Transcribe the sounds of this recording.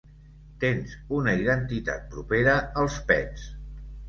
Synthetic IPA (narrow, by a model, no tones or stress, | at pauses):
t̪enzunəiðənt̪it̪a̰t̪̚pɾupeɾəəlˠspɛns